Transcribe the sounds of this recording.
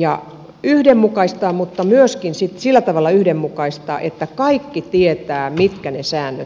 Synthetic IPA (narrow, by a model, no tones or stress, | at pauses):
jɑ̰ | yhdemːukɑist̪ɑːmut̪ːɑmyøskinsit̪silːæt̪ɑʋɑlːˑɑyhdemːukɑist̪ɑ̰ːʔet̪ːækɑikːit̪iet̪æːmit̪kænesæːnːøt̪